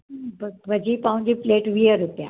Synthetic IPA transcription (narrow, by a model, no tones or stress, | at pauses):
bʋəd͡ʑipãũɲd͡ʑipleːʈʋiəɾupja̰